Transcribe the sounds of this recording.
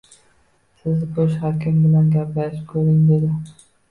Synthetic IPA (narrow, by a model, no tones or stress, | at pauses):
sɪzkʰɵʃhakʲɪmbɪlanɡʲaplaʃkʰɵɾɪŋd̪e̞d̪ɪ